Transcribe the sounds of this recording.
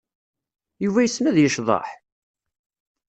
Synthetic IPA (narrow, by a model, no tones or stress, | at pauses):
juvæjəsːmæðjəʃðˤɑ̰ħ